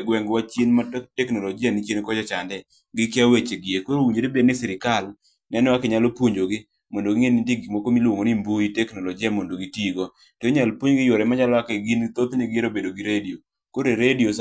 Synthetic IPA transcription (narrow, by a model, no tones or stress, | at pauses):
ɡwɛŋɡwat͡ʃenmatɛknoloɡɪanit͡ʃjenkɔd͡ʒɔt͡ʃandɛ | ɡɪkɪawet͡ʃeɡɪekoɾowiɲd͡ʒeɾebednɪsɪɾɪkal | nɛnɛwakɛɲalopwoɲd͡ʒoɡɪ | mɔndoɡɪŋenindiɡimokomilwoŋonimbuitɛknolɔd͡ʒɪamondoɡitiɡo | toeɲalpoɲɡɪjɔɾɛmaɲalɔakɛɡint̪ot̪niɡɪeɾobedoɡiɾedio | koɾeɾedios